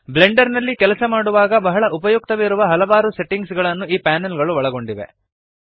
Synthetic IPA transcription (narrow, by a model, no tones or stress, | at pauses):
ble̞ɳɖɐɾnɐlːikɛlɐsɐmaːɽuʋaːɡɐbɐɦɐɭɐʔupɐjuk̚t̪ɐʋeiɾuʋɐɦɐlɐʋaːɾuse̞ʈːiŋɡsɡɐɭɐnːuiːpaːnelɡɐɭuʋɐɭɐɡo̞ɳɖiʋe̞̰